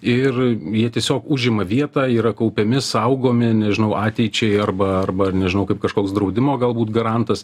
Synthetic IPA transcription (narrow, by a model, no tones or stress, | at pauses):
ɪrjiɛt̪ʲiɛsʲoːkʊʒʲɪmɐʋʲiɛt̪ɑːiːɾɐkɐʊpʲɛmʲɪsɐʊɡoːmʲɪnʲɛʒʲɪnɐʊʔɑːt̪ʲɛɪt͡ʃʲɛɪɐrbɐɐrbɐnʲɛʒʲɪnɐʊkɐɪpkɐʃkoːksd̪ɾɐʊd̪ʲɪmoːɡɐlˠbuːt̪ɡɐɾɐnt̪ɐs